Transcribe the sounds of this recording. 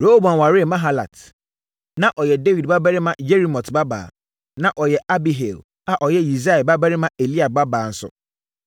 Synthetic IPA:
ɾo˦ho˦bã˨n˨wa˨ɾɪ˦˨mã˦ɦa˦la̰˨t | nã˦ʔɔ˨jɛ˨de˦vi˨dba˦bæ˦ɾɪ˦mã˦d͡ʒe˦ɾi˦mɔ̃˨tba˦ba̰ː˨ | nã˨ʔɔ˨jɛ˨a˦bi˨ɦe˨l | a˨ʔɔ˨jɛ˦ji˨za˦ɛ˨ba˦bæ˦ɾɪ˦mã˦e˨li˦a˨ba˦baː˨n̩˨˦sʊ̰˨

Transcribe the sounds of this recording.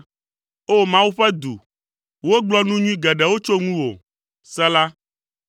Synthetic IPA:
o˦mã˦wu˦ɸɛ˦d̪u˨ | wo˦ɡ͡blɔ˦nũ˦ɲũ˦ĩ˦ɡɛ˨ɖɛ˨wo˦t͡ʃo˦ŋũ˦wo̰˨ | sɛ˦la˦

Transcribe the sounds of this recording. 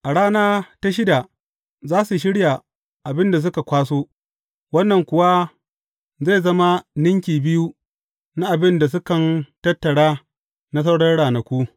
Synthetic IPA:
ʔa˨ɽaː˦naː˦ta˦ʃ̬ɪ˦da˨ | zaː˦su˨ʃ̬ɪ˦ɽja˨ | ʔa˨bɪ˦nda˨s̬ʊ˦ka˨kʷaː˦soː˦ | wɐ˦nːɐ˨ŋkʷʊ˨wa˦ | za˦˨zɐ˦ma˦nɪ˦ŋkʲiː˨bɪ˦ju˦ | na˦ʔa˨bɪ˦nda˨s̬ʊ˦kɐ˨ntɐ˦tːɐ˨ɽaː˦ | na˦s̬ɐ˦wɽɐ˦rɽaː˨nɐ˨kʷu˦

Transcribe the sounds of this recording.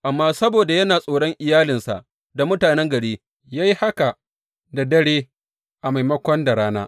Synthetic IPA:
ʔa˨mːaː˦sɐ˦boː˨da˨jɐ˦naː˨sʼoː˨ɽɔ˦ŋʔɪ˨jaː˦lɪ˨nsa̰˨ʔ | da˨mʊ˦taː˨nɛ˦ŋɡɐ˨ɽeː˦ | jaː˦ji˦ha˦ka˨ | da˨dɐ˦ɽeː˦ | ʔa˨ma˨jmɐ˦kʷɔ˦nda˨ɽaː˦naː˦

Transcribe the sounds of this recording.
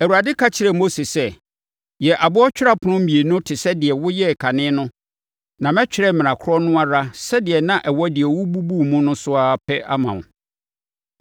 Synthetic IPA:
æ˨wu˨a˨dɪ˦kʰa˦t͡ɕʰɪ˨ɾɛ˨mo˦se˨sɛ˦ | jɛ˨ʔa˨bʊ˦ɔ˦t͡ɕᶣɪ˦ɾa˨pʰʊ˨nʊ̃˦m̩˦mĩ˨e˨nʊ̃˦tʰɪ˨sɛ˦dɪ˨ɛ˨wʊ˦jɛ˦˨kʰa˨nɪ̃˦nʊ̃˦ | nã˨mɛ̃˦t͡ɕᶣɪ˦ɾɛ˦˨mɪ̃˨ã˨kʰʊ˦ɾɔ˦nʊ̃˦a˦ɾa˦sɛ˦dɪ˨ɛ˨nã˦ʔɛ˨wɔ˦dɪ˨ɛ˨wʊ˦bu˦bu˦˨mũ˦nʊ̃˦sʊ˦a˦pʰɛ˦ʔa˦mã̰˨w̃

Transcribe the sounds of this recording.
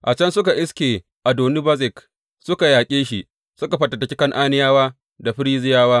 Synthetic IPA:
ʔa˨t͡ʃɐ˦nsʊ˦ka˨ʔɪ˦skʲeː˨ | ʔa˨doː˨mɪ˦bɐ˦zɪ˨k | sʊ˦ka˨jaː˨kʲʼeː˦ʃi˨ | sʊ˦ka˨ɸɐ˨tɐ˨tɐ˨˦kʲɪ˦kɐ˦ŋʔaː˦nɪ˦jaː˦waː˦ | da˨ɸɪ˦ɾiː˦zɪ˦jaː˦waː˦

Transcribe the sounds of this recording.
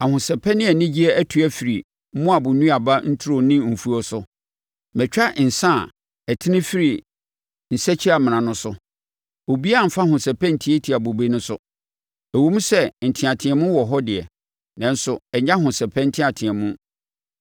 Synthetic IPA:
a˨hʊ̃˨sɛ˨pʰɛ˦nɪ̃˦ɛ˨nɪ̃˦d͡ʑi˦ɛ˦æ˦tʰu˦æ˦fi˨ɾi˨˦ | mʊ̃˦a˨bʊ̃˨nũ˦a˨ba˦n̩˦tʰʊ˦ɾʊ˨nɪ̃˦m̩˨fu˦ɔ˦sʊ˦ | mɛ̃˨t͡ɕᶣa˦ʔn̩˨sã˦˨ | ɛ˨tʰɪ˦nɪ̃˦fi˦ɾi˨ | n̩˨sɛ˦t͡ɕʰɪ˦a˨m̃˨ã˨nʊ̃˦sʊ˦ | o˨bi˦a˦˨m̩˨fa˦hʊ̃˨sɛ˨pʰɛ̃˦n̩˨tʰi˦ɛ˦tʰi˨a˨bo˨be˦nʊ̃˦sʊ˦ | æ˨wo˦mũ˦sɛ˦n̩˨tʰɪ̃˨a˨tʰɪ̃˨ɛ˨mʊ̃˦wɔ˨ɦɔ˦dɪ˨ɛ̰˨ | nã˨n̩˦sʊ˨ɛ˨ɲã˦ɦʊ̃˨sɛ˨pʰɛ̃˦n̩˦tʰɪ̃˦a˨tʰɪ̃˨ɛ̃˨mʊ̃˦

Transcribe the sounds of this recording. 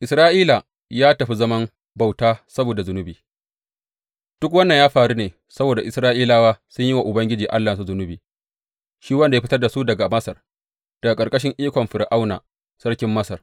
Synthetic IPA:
ʔɪ˨sɾaː˦ʔiː˦la˨ | jaː˦tɐ˨ɸi˦zɐ˦mɐ˦m | ba˨wtaː˦sɐ˦boː˨da˨zʊ˦nʊ˦biː˨ | d̥ʊ˦k̬wɐ˦nːɐ˨jaː˦ɸaː˨ɽu˦neː˨ | sɐ˦boː˨da˨ʔɪ˨sɾaː˦ʔiː˦laː˦waː˦sʊ˦ɲji˦wa˨ʔʊ˨bɐ˦ŋɡʲɪ˦d͡ʒiː˨ʔa̰˦lːaː˨s̬u˦zʊ˦nʊ˦biː˨ | ʃiː˦wɐ˦nda˨jɸɪ˦tɐ˦rda˨su˦dɐ˨ɡa˨mɐ˦sɐ˨r | d̥ɐ˨ɡa˨kʼɐ˨rkʼɐ˦ʃ̬ɪ˦ŋʔiː˦kʷɔ˨mɸɪ˨ɾʔa˦wna̰ː˨ | sɐ˦ɽkʲɪ˦mːɐ˦sɐ˨r

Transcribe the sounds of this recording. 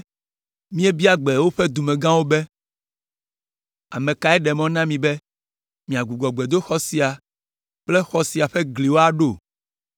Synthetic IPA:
mĩ˦e˦bi˦a˦ɡ͡bɛ˨wo˦ɸe˦d̪u˨mɛ̃˨ɡã˦wo˦bɛ˦ | a̰˨mẽ˨ka˨ɛ˦ɖɛ˨mɔ̃˦nã˦mĩ˨bɛ˦ | mĩ˨a˨ɡu˨ɡɔ˨ɡ͡be˨d̪o˦xɔ˦si˨a˨ | k͡ple˦xɔ˦si˨a˨ɸɛ˦ɡli˨wo˦a˦ɖo˦˨

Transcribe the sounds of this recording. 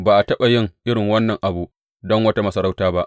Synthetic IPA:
baː˨ʔa˨tɐ˦ɓa˨jɪ˦ŋʔɪ˦ɽɪ˨ŋwɐ˦nːɐ˨ŋʔa˨bu˨ʔ | dɔ˦ŋwɐ˦ta˦mɐ˦sɐ˦ɾa˦wtaː˦ba˦ʔ

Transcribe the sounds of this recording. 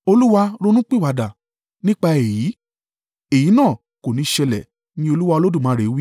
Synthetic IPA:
o˧lu˦wa˧ɾo˦˧nũ˦k͡pi˦wa˨˧da˨ | nĩ˦k͡pa˧e˨ji˨˦ | e˨ji˨˦nãː˦˨ | ko˨nĩ˨˦ʃɛ˧lɛ˨ | nĩ˧˦o˧lu˦wa˧o˧lo˦dũ˦˨mã˨˦ɾe˨˦wi˦

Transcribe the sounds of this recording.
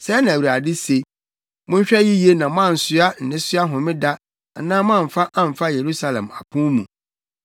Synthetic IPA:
sɛ˦nã˨wɾa˨dɪ˦se˨ | mʊ̃˦ɲ˦ɕᶣɛ˦ji˦je˦nã˨m˦ã˦˨n̩˨sʊ˦a˦n̩˨nɪ̃˦sʊ˦a˦ɦʊ̃˨mɪ̃˦da˦ | a˨nãː˦m˦ã˦˨ɱ̩˨fa˦ʔã˦˨m̩˨fa˦je˨ɾu˦sa˦lɛ̰̃˨ma̰˨pʰũ˦mũ˨

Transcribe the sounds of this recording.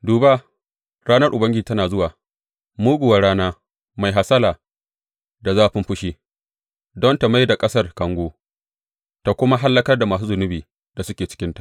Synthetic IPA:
duː˨ba˦ | ɾaː˦nɐ˦rʔʊ˨bɐ˦ŋɡɪ˦d͡ʒiː˨tɐ˦naː˨zʊ˦waː˨ | muː˦ɡʷʊ˨wa˨ɾaː˦naː˦ | ma˨jɦa˨sɐ˦laː˨ | da˨zaː˦ɸɪ˦mɸʊ˦ʃi˦ | dɔ˦nta˨ma˦jda˨kʼɐ˦sɐ˦˨rkɐ˦ŋɡʷoː˦ | ta˨kʷʊ˦ma˦ɦa˦lːɐ˦kɐ˦rda˨maː˨s̬uː˦zʊ˨nʊ˦biː˨ | d̥a˨sʊ˦kʲeː˨t͡ʃɪ̥˦kʲɪ˦ntḁ˨ʔ

